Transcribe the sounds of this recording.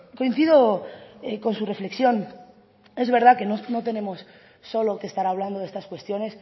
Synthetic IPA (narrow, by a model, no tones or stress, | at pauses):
ko̞in̟θiðo̞eko̞nsure̞fle̞ksjo̞n | e̞zβe̞ɾðake̞nono̞t̪e̞nẽ̞mo̞sː | o̞lo̞kest̪aɾaβ̞land̪o̞ðe̞st̪askwe̞st̪jo̞ne̞s